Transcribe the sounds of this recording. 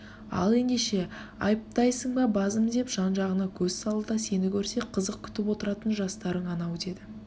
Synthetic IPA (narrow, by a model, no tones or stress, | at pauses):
ɑ̰lˠe̞nd̪e̞ʃe̞ɑ̰jəp̚t̪ɑjsəɴbɑbɑzəmd̪e̞pʒ̥ɑnʒɑʁənɑkʲʰɵzsɑlˠəd̪ɑse̞nɪkʲʰɵɾse̞qʰəzəq̚kʲʰʏ̥t̪ɪpwo̞t̪əɾɑt̪ənʒɑst̪ɑɾəɴɑnɑwd̪e̞d̪ɪ